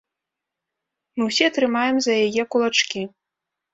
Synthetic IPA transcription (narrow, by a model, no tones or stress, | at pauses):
mɨwsʲiɐt̪ɾɨmajɛmzɐjajɛkulˠat͡ʂkʲi